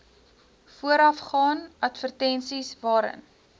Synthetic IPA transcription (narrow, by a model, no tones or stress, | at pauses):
fuəɾɐfχɑːnɐtfərtɛnsisvɑːɾə̰n